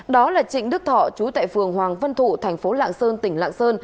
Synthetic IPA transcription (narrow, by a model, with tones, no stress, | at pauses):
ɗɔ˨˦laː˨˩t͡ɕḭ˧˨ŋ̟ɗɨ˦˥k̚t̪ʰɔ˧˨t͡ɕu˨˦t̪a̰ː˧˨jfɨ˨˩əŋhwaː˨˩ŋvə˧nt̪ʰu˧˩˨t̪ʰɛ˨˩jŋ̟fo˨˦la̰ː˧˨ŋsəː˧nt̪ï˧˩ŋ̟la̰ː˧˨nsəː˧n